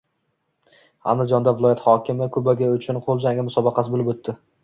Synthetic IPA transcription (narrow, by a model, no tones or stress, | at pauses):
a̰nd̪ɪd͡ʒɒnd̪avɪlˠɒjat̪hɒkʲɪmɪkʰɵbaɡʲaʊt͡ʃʰʊnqʰolˠd͡ʒaŋɡʲamʊsɒbɑqʰɑsɪbolɪbot̪ʰːɪ